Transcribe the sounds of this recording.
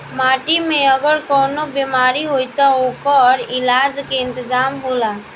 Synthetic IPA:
maːʈimẽəɡəɾkɔːnobeːmaːɾiɦoit̪aoːkɔːɾɪlaːd͡ʒkeɪ̃nt̪ɪzaːmɦoːlaː

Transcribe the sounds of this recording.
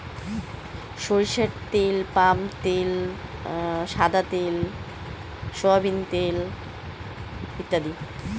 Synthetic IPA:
ʃoɾiʃeɾt̪elpamt̪el | ʃad̪at̪el | ʃoabʱint̪el | it̪ːad̪i

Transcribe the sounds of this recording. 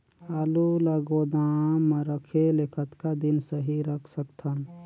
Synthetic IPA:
aluləɡod̪aːməɾəkʰelekʰət̪kad̪insəɦiɾəkʰsəkt̪ʰən

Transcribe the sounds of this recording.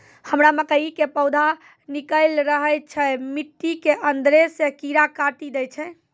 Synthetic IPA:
həmɾaməkəikepəwd̪ʱa | nikəlɾəɦəjt͡ʃʰɛmiʈːikeʔənd̪ɾesekiɾakaʈid̪ɛjt͡ʃʰɛ

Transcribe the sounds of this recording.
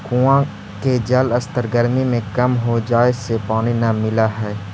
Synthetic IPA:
kũã | ked͡ʒɐləst̪əɾɡəɾmimẽkɐmɦod͡ʒaːesepaːñinamɪlaɦɛː

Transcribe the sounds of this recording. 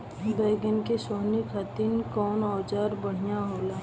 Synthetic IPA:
bɛːɡənkesoːnikʰat̪inkɔːnɔːd͡ʒaːɾbəɽ̤ijaɦoːlaː

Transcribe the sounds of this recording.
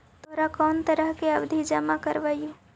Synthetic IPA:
t̪oɦɾakɔːnt̪əɾəɦkeəbd̪ʱid͡ʒəmakəɾʋaju

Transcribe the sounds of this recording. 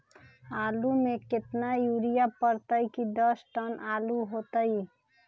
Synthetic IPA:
aːlumeket̪najuɾijapəɾt̪əjkid̪əsʈənaluɦot̪əj

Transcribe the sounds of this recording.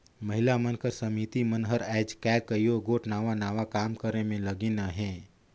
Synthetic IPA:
mɐɦɪlamənkəɾsəmit̪imənɦəɾɛːd͡ʒkɛːkəijoɡoːʈnaːʋanaːʋakaːmkəɾẽmẽləɡinaɦɛ̃ː

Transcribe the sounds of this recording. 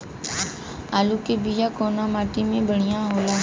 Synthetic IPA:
aːluːkebiːjaːkoːnaːmaːʈiːmẽːbəɽ̤ɪjãːɦoːlaː

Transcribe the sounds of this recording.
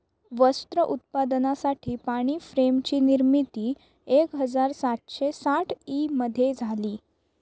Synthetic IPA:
ʋəst̪ɾəʔut̪̚pad̪nasaʈʰiːpaɽ̃iːfɾemt͡ɕiːniɾmit̪iː | ekɦəd͡zaɾsat̪ɕesaʈʰiməd̪ʱːjed͡zʱaliː

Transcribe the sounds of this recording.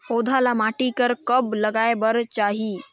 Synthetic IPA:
hod̪ʱalamaʈikəɾkəbləɡajbəɾt͡ʃaɦi

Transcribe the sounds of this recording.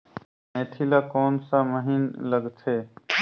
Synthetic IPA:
meːt̪ʰiːlaːkoːnsaməɦiːnləɡt̪ʰeː

